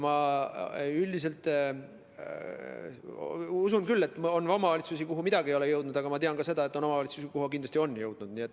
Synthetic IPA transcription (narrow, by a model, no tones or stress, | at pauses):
mɑ | ylʲd̪is̬e̞lt̪ | usunkylːe̞t̪ːˑonɑmɑvɑlʲit̪sus̬ikuɦumid̪̥ɑɡiejo̞lejɤwd̪nud̪̥ɑɡ̥ɑmɑt̪eɑnkɑse̞d̪ɑe̞t̪ːˑo̞no̞mɑvɑlʲit̪susikuɦuk̬ind̪lɑst̪io̞nːjɤwd̪̥nud̪̥niet̪ːˑ